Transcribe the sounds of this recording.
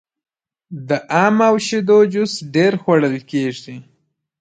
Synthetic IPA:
d̪əʔamawʃid̪od͡ʒʊsɖeɾxwaɽəlkeʐi

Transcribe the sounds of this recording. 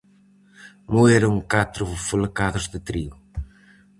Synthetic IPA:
mueɾɐŋkat̪ɾʊfolkaðʊzðɪt̪ɾiu

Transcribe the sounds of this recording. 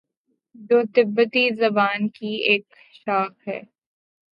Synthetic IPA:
d̪oːt̪ɪbːət̪izɐbaːnkieːk̚ | ʃaːxɦɛ̰ː

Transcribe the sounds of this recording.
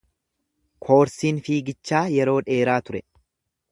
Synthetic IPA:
kʰo̞ːɾsiːnfiːɡɪt͡ʃːaːjɛɾo̞ːᶑe̞ːɾaːt̪ʊɾɛ

